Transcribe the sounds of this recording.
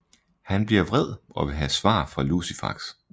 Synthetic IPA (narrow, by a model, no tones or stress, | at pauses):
hænb̥liɐʋʁɛð̞̰ˠɒ̽ʋe̝ɦæsʋɑ̰̈ːfʁɑ̈lusifɑ̈ɡ̥s